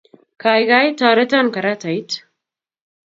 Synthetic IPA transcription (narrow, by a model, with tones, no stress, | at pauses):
kaː˨jɡa˦it̪aː˨ɾɐ˦t̪a˦nkɐ˨ɾa˦t̪a˨it̪